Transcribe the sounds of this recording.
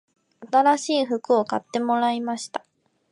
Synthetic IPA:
at̪aɾaɕiːɸɯ̟kɯ̟o̞kat̪ːe̞mo̞ɾaimaɕi̥t̪ḁ

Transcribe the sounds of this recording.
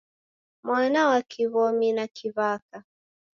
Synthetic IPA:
mwanawakʰiβɔminakʰiβaka

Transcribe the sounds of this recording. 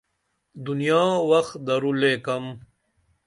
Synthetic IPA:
d̪unijaːwɐxd̪ɐɾuleːkɐm

